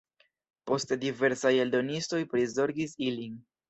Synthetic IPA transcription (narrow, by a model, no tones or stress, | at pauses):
po̞stdive̞ɾsaje̞ldo̞nisto̞jpɾizo̞ɾɡisilin